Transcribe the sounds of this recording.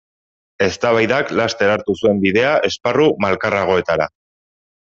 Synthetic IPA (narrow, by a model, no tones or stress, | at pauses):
e̞st̪aβajðaklast̪e̞ɾaɾt̪usue̞mbiðe̞aʔe̞sparumalkaraɣ̞o̞e̞t̪aɾa̰